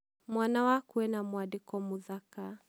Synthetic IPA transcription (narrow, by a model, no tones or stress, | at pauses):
mwanawakuɛnamwadikɔmuðaka